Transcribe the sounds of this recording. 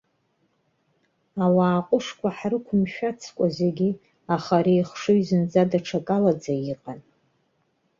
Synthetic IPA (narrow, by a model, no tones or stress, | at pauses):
awaːqʼʊʂkʷʰaħrɨkʷʰʊmʃᶣat͡sʰkʷʼazeɡʲi | aχaɾejχʂɨɥzɨnd͡zadaʈ͡ʂʰakʼalad͡zaiqʼan